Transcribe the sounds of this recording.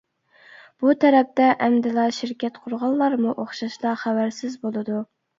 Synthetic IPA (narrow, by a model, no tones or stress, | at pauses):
b̥ut̪ʰɛɾɛp̚t̪ɛʔɛmd̪ɪlɑʃɪɾkʲɛt̪qʰʊɾʁɑlˠːɑɾmuʔoχʃɑʃlˠɑχæwæɾsɪzbolˠɨd̪u